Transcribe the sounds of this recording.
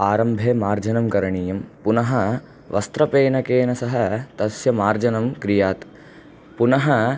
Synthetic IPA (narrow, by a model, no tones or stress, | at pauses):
aːɾɐmbʱeːmaːɾd͡ʒɐnɐmkɐɾɐɳiːjɐmpunɐɦɐ̆ | ʋʔɐ̰st̪ɾɐpeːnɐkeːnɐsɐɦɐ̆t̪ɐsjɐmaːɾd͡ʒɐnɐmkɾijaːt̪ | punɐɦɐ